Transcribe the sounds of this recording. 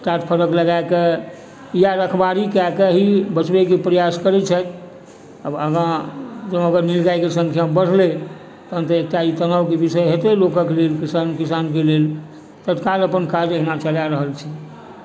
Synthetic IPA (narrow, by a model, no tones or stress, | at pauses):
ʈaʈpʰəɾəkləɡaeke | ijaɾəkʰbaɾikakeɦibət͡ʃbekepɾəjaskəɾɛt͡ʃʰət̪ | əbəɡãd͡ʒəəɡəɾnilɡajkesə̃ŋkʰjambəɽ̤ʱle | t̪əənt̪əek̚ʈait̪ənawkebisəjɦet̪elokəkelelkisankisank̬elel | t̪ət̪kaləpənkad͡ʒəɦinat͡ʃəljaɾəɦəlt͡ʃʰi